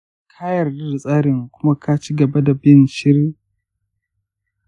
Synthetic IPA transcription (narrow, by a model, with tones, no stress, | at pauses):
kʰaː˦jɐ˨rdɪ˦rsʼaː˦ɾɪ˨ŋkʷʊ˦ma˦kʰaː˦t͡ʃiː˦ɡɐ˨ba˦da˨bɪ˦nʃɪ˦ɾi˦